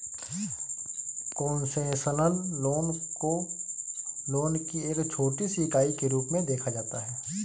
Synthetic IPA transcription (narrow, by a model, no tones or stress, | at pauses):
kɔːnsẽsənəlːoːno | loːnkieːkt͡ʃʰoːʈisikaːikeɾuːpmẽd̪eːkʰad͡ʒaːt̪aɦɛː